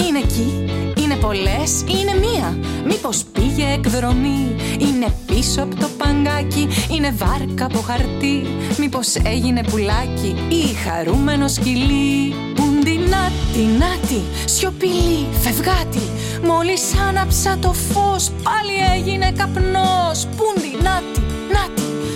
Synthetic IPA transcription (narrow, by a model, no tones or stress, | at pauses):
ine̞ciine̞po̞le̞sine̞miɐmipo̞spiʝe̞ekðɾo̞miine̞pisoɐpot̪o̞pɐŋɡɐciine̞vɐɾkɐpo̞xɐɾt̪i | mipo̞se̞ʝine̞pulɐci | ixɐ̰ɾume̞no̞scili | pund̪inɐt̪inɐt̪i | sço̞pili | fe̞vɣɐt̪i | mo̞lisɐnɐpsɐt̪o̞fo̞spɐlieʝine̞kɐpnospund̪inɐt̪i | nɐt̪i